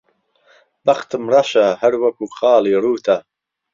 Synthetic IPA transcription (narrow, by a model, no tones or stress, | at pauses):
bɐxt̪ɨmrɑʃɐhɐɾwɐkuːxɑːliːruːt̪ʰɐ